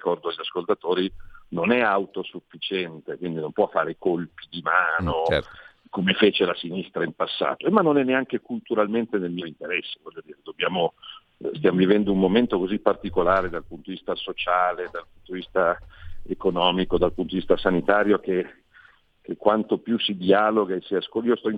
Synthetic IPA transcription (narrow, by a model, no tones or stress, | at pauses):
ikɔrd̪oaʎːaskolt̪at̪oːɾinonɛawt̪osufːit͡ʃɛnt̪ekwind̪inompwɔfːaːɾekolpid̪imaːno | komefeːt͡ʃelasinist̪ɾaimpasːa̰ːt̪oemanːonɛnːeaŋk̟ekult̪uɾalment̪enelmioint̪eɾɛsːevɔʎːod̪iːɾed̪objaːmo | st̪jaːmovivɛnd̪oumːoment̪okozipːart̪ikolaːɾed̪alpunt̪od̪ivist̪asot͡ʃaːled̪alpunt̪od̪ivist̪aekonɔːmikod̪alpunt̪od̪ivist̪asanit̪aːɾjoke | k̟ekːwant̪opjusid̪iaːloɡaesiaskoiːost̪ɔi